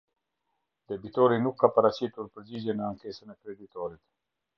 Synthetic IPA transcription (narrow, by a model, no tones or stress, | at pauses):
d̪ɛbit̪ɔɾinukːapaɾat͡ɕit̪uɾpəɾd͡ʑid͡ʑɛnəaŋkɛsənɛkɾɛd̪it̪ɔɾit̪